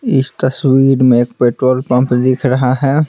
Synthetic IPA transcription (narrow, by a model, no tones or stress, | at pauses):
ɪst̪ɐswiːɾmẽeːk̚peːʈɾoːlpɐ̃mpd̪ɪkʰɾɐɦaɦɛː